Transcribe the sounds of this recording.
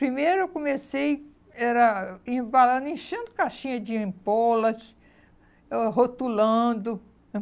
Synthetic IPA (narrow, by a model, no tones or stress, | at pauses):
pɾimejɾʊewkõmesej | ɛɾɐĩbalɐ̃nd̪ʊĩʃẽnd̪ʊkaʃĩɲɐd͡ʒɪẽpɔlɐ | ɦot̪ulɐ̃d̪ʊ̃